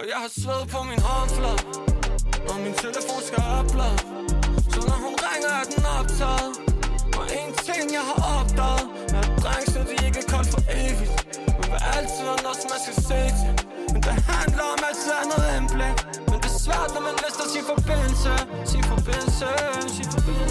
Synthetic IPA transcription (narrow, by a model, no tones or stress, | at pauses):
ɒjɑɪhɑ̈sʋeð̩ˠpʰɒ̽minhɒnflɔðˠ | ɒmint͡sʰeləfo̝̰ːnsɡ̥æɒb̥̚b̥lɛðˠ | sɒ̽nɒɦunʁaŋɐæd̥en̩ɒb̥̚t͡sʰɛːðˠʔɒʔent͡sʰeŋjɑ̈ɪɦɑ̈ʔɒb̥̚d̥ɛːð̩ˠ | meæd̥ʁaŋsnəd̥ieɡ̥əkʰɒlfɒʔeːʋid̥ | ufeʔæl̰t͡sʰiðˠɒnɔsɒmːænsɡ̥æsḛːsʰ | mend̥ehændlɐɒ̽mæ̥siðˠænoð̩ˠenb̥leɡ̥ | mend̥e̝sʋæɐ̰d̥nɒmænlesd̥ɐsinfɒb̥en̰l̩səsinfɒb̥en̰l̩səsi̥